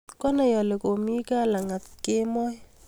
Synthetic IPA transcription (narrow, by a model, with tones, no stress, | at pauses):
kɔ˦na˨jɔ˨le˨ko˨mi˦ka˦la˨ŋa˨t̚ke˦mɔ˦j